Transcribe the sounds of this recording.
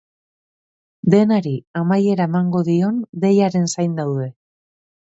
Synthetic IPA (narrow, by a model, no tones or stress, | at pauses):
d̪e̞naɾiamaje̞ɾaemaŋɡo̞ðio̞nd̪e̞jaɾe̞nsajnd̪awðe̞